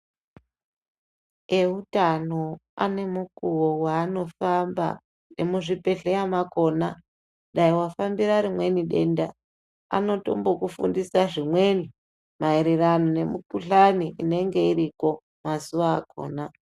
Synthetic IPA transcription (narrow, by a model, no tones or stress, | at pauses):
e̞ɦutanoa̰ne̞mukuwowaːno̞famba̰ | ne̞muʐipe̞ɬejamako̞na | ɗaiwafambiɾaɾimwe̞niɗe̞nda | a̰no̞to̞̰mbo̞kufṵndisaʐimwe̞ni | maiɾeranone̞mukuɬaniʔine̞ŋɡe̞iɾiko̞ | masuʋaːko̞̰ːna